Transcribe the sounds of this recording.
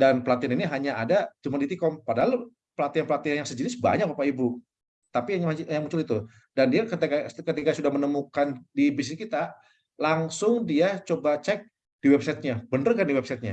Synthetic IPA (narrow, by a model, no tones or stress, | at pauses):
danpəlat̪ianiniɦaɲaadat͡ʃumandit̪ikɔmpadaɦal | pəlat̪ianpəlat̪ianjaŋsəd͡ʒənɪsba̰ɲak̚bapaibu | t̪apimjaŋmuɲt͡ʃʊlit̪u | dandiakt̪kakət̪ikasudahmənəmukandibis̬ikit̪a | laŋsʊŋdiat͡ʃobat͡ʃɛk̚ | d̥iwɛb̚sajt̪̚ɲabəndərkandiwɛbsajt̪̚ɲa̰